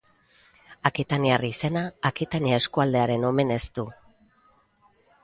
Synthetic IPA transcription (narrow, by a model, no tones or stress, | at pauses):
akit̪aniarise̞naːkit̪aniae̞skuald̪e̞aɾe̞no̞me̞ne̞st̪u